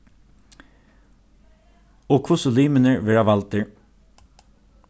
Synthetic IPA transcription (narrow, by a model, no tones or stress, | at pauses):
oːkʰʊsʊliːmənəɹʋeɹɑːʋɑlt̪əɹ